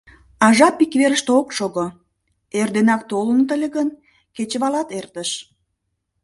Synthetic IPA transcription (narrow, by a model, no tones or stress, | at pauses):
ɑʒɑpːikβeɾəʃt̪eokʃoɣo | erd̪enɑk̚t̪olənət̪əlʲeɣən | ket͡ɕəβɑlɑt̪ert̪əʃ